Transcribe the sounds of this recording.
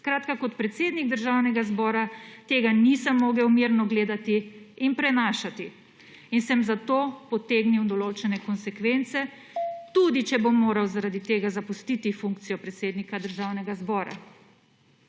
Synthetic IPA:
skɾaːt̪kakɔt̪pɾɛt̪seːd̪niɡ̚d̪əɾʒaːwnɛɡazbɔːɾat̪eːɡanisɐmːoːɡɛwmiɾnɔɡleːd̪at̪iːnpɾɛnaːʃat̪i | insɛmzat̪oːpɔt̪eːɡniwd̪ɔloːt͡ʃɛnɛkɔnsɛkʋent̪sɛ | t̪ud̪it͡ʃɛbomːoːɾawzaɾad̪it̪eːɡazapust̪it̪ifuŋk̚t̪sijɔpɾɛt̪seːd̪nikad̪əɾʒaːwnɛɡazbɔːɾa̰

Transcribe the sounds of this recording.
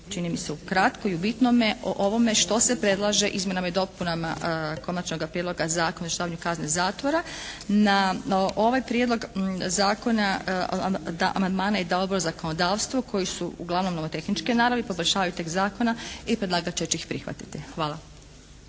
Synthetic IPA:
t͡ʃinimiseukɾat̪koiubit̪nomeʔo̰ʔoʋo̞me̞ʃt̪o̞se̞pɾe̞d̪lˠaʒe̞ʔizmʲje̞namaid̪o̞punama̰ko̞nat͡ʃno̞ɡapɾjed̪lo̞ɡazaːkonozaʃaːʋaɲukaznezaːt̪ʋo̞ɾanaʔo̞ʋajpɾjed̪lo̞ɡzaːko̞na | d̪aʔa̰mand̪maːnaid̪ao̞d̪bo̞ɾozako̞nod̪aːʋst̪ʋo̞kʰo̞jisuuɡlˠaʋno̞mnomot̪e̞xnit͡ʃkenaːɾaʋepo̞bolʲʃaːʋajut̪e̞kzaːko̞naipɾed̪laːɡat͡ʃet͡ʃixpɾixʋa̰t̪i̥t̪ixʋaːlˠa

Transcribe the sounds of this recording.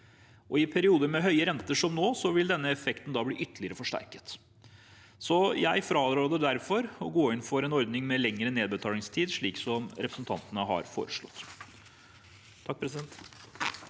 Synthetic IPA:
ʔɔɪpʰæɾɪuːd̪əmɛɦœʏəɾɛnt̪əʂɔmnoːsɔʋɪld̪ɛnːəɛfɛkt̪n̩d̪ɑːblḭːʔʏt̪ːəɭɪəɾəfɔʂʈæ̰ɾkə̥t̪ | sɔjæɪfɾɑːd̪ɾoːd̪ɛd̪æɾfɔɾɔɡoːɪnfɔɾɛnɔɾd̪nɪŋmɛlɛŋːɾəneːd̪bət̪ʰɑːlɪŋst̪ʰiːd̪ʂɭiːksɔmɾɛpɾəsənt̪ʰɑ̰nt̪ənəɦɑ̰ɾfo̰ːɾəʂɭɔ̰t̪ː | t̪ʰɑk̚ːpʰɾɛsɪd̪ɛnt̪

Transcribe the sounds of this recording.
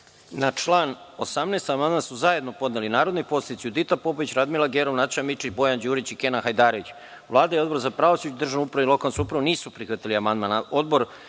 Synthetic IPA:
nat͡ʃlˠaːno̞samneːst̪amand̪mansuzaje̞d̪no̞po̞d̪nelinaːɾod̪nipo̞sled̪it̪siud̪it̪apo̞poʋit͡ɕɾad̪milˠaɡeɾoʋnat̪ʃamit͡ʃit͡ɕbo̞jand͡ʑuːɾit͡ɕikenaxajd̪aːɾoʋit͡ɕ | ʋlˠaːd̪ajeo̞d̪bo̞ɾzapɾaːʋosut͡ɕud̪r̩ʒanupɾaʋilo̞kalnsuupɾaʋoniːsupɾixʋat̪iliamand̪manao̞d̪bo̞ɾ

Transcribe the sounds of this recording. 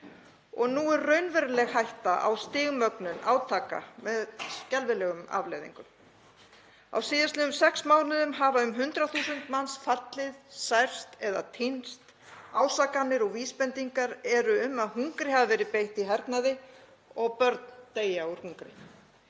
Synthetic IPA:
ɔɣnuːɛɾrœɥnvɛɾlɛɣhajht̪aʔa̰wst̪ɪːɣmœknʏnaːwt̪ʰaːka̰mɛðscɛlvɪlɛɣʏma̰vlejðḭŋkʏm | a̰wsiːðaslɪðʏmsɛksmaːwnɪðʏmɦaːvaʏmɦʏnt̪ɾaθuːsʏnt̪mansfat̪lɪðsajr̥st̪ɛða̰t̪ʰinst̪ | aːwsakanːɪɾɔɣviːspɛnt̪iŋkaɾɛɾʏʏmaðɦuŋkɾɪhavavɛːɾɪpejht̪iɦaɾt̪naðɪ | ɔɣpœɾt̪nt̪eːjauɾ̥huŋkɾɪ̰

